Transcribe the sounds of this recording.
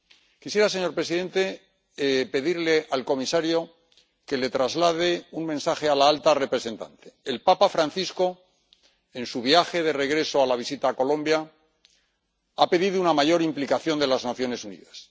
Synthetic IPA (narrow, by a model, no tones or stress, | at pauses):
kisje̞ɾase̞ɲo̞ɾpɾe̞siðe̞nt̪e̞ | pe̞ðiɾle̞ʔalko̞misaɾjo̞ | ke̞le̞t̪ɾazlaðeuŋmẽ̞nsaxe̞alaalt̪are̞pɾe̞se̞nt̪a̰nt̪e̞̥ːlpapafɾanθisko̞ | e̞nsuβ̞jaxe̞ðe̞re̞ɣ̞ɾe̞soalaβ̞isit̪aːko̞lõ̞mbja | ape̞ðiðuunamaʝo̞ɾimplikaθjo̞nd̪e̞laznaθjo̞ne̞sunḭðas